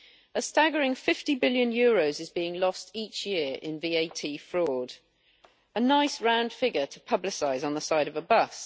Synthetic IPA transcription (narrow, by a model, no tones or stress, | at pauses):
əstaɡəɹɪ̃ŋfɪftibɪljə̃njɔːɹəʊzɪzbiːɪ̃ŋlɒstʰiˑt͡ʃjɪəɹɪ̰̃nviːeɪtʰiːfɹɔːd̥ | ənaɪsɹãʊ̃nd̥fɪɡətʰəpʰʌblɪsaɪzn̩ðəsaɪɾəvəbʌs